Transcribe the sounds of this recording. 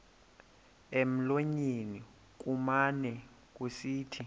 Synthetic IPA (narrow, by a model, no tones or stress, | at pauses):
em̩loɲeni | k̬ʼumanɛ | k̬ʼusiːtʰi